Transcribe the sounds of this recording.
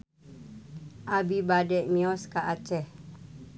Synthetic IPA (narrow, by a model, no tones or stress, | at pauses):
ʔabibadɛʔmiɔskaʔat͡ʃɛh